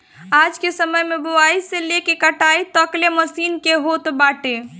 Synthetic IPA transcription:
ad͡ʒkesəməjmeboaiselekekəʈait̪əkleməsiːnkeɦot̪baʈe

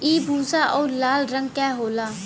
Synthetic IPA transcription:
iːbʱuːsaːʔɔːɾlaːlɾə̃ŋɡ̚kɛːɦoːlaː

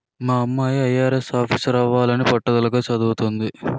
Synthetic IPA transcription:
maːɐmːaːjɐjaːɾe̞saːpʰiːsɾaːʋːaːlɐnipɔʈːɐd̪ɐlɐɡaːt͡ʃɐd̪uːt̪ond̪i

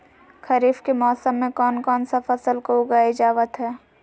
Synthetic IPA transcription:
kʰɐɾiːfkemɔːsəmːẽkɔːnkɔːnsafɐsəlkoʊɡaːeɪd͡ʒaːʋət̪ɦɛː

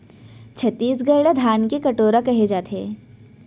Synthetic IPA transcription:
t͡ʃʰɐt̪ːiːsɡɐɾɽed̪ʱaːnkekɐʈoːɾakɐɦed͡ʒaːt̪eː

